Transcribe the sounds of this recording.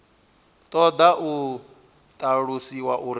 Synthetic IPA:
t̪ʼɔd̪aʔu | t̪ʼaɺusiwaʔuɾ

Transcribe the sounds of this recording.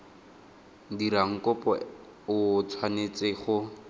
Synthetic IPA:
diɾaŋ̩kɔpɔ | ʊt͡sʰwanet͡sɪχʊ

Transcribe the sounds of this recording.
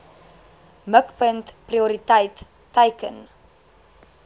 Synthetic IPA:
məkpəntpriuɾitəjtː | əjkən

